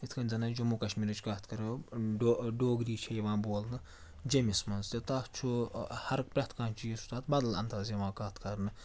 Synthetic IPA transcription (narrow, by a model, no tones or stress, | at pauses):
it̪ʰkʰɐnʲzɐnɐd͡ʒɐmukɐʃmiːɾɨt͡ʃʰkɐːt̪ʰkɐɾɐɖoɖoːɡɾiːt͡ʃʰejʋãːboːlnɨ | d͡ʒɐmismɐnzt̪ʲet̪aːt͡ʃʰuhɐɾk̚pɾʲɐt̪ʰkaːnʲt͡ʃʰijisut̪aːt̪̚bɐd̪ɐlɐ̰nt̪aːzɐʋãːkaːt̪ʰkɐɾnɨ